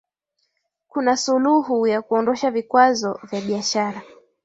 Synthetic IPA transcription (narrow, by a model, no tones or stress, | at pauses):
kunasuluɦujakuɔndɔʃavikwazɔvjaɓiaʃaɾa